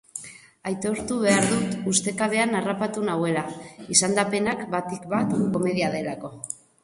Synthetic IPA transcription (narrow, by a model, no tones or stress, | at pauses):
ajt̪o̞ɾt̪uβ̞e̞aɾðut̪ust̪e̞kaβe̞anarapat̪unawe̞laisand̪ape̞nakbat̪ikbat̪ko̞me̞ðiaðe̞lako̞